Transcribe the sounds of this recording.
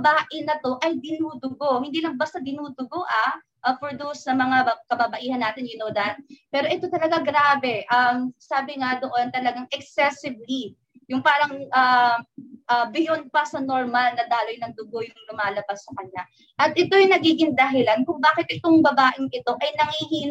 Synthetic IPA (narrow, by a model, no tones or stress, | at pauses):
ɐbaːʔɪnɐt̪o̞ʔɐjd̪ɪnuːd̪ʊɡo̞hɪnd̪iːlɐŋbɐst̪ɐd̪ɪnuːd̪ʊɡoʔa | ʔɐfɔɹd̪owsnɐmɐŋakɐbabɐʔiːhɐnːaːt̪ɪnjɪnoːd̪ɐn̚pɛːɾo̞ʔɛt̪o̞t̪ɐlɐɡaɡɾaːbɛʔɐmsaːbɪŋad̪o̞ʔo̞nt̪ɐlɐɡaŋɛksɛsɪbli | jʊŋpaːɾɐŋʔɐː | ʔɐbɪjonpɐsɐno̞ɹmalnɐd̪aːlo̞jnɐŋd̪ʊɡo̞jʊŋlʊmaːlɐbasːɐkɐɲa | ʔɐt̪̚ʔɛt̪o̞jʊŋnɐɡiːɡɪŋd̪ɐɦɪlankʊŋbaːkɪt̪̚ʔɪt̪oŋbɐbaːʔɪŋʔɪt̪o̞ʔɐjnɐŋhiɦiːn